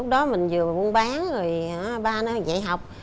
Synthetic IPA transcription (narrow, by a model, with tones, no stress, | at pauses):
lk͡p̚ɗɔ˨˦mï˨˩ŋ̟zɨ˨˩əvu˧ənɓaː˨˦ŋzo˨˩ja˨˦ɓaː˧na˨˧za̰ː˧˥˨jɦa˨˩wk͡p̚